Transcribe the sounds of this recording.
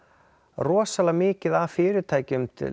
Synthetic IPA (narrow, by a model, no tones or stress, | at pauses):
rɔːsalamɪːcɪðafɪːɾɪt̪ʰaːjcʏmt̪ʰɪ̰